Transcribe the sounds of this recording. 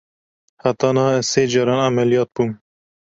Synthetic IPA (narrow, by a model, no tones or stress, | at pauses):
hat̪ɑːnɑhɛseːd͡ʒɑːɾɑːnʕamɛlijɑːt̪̚buːm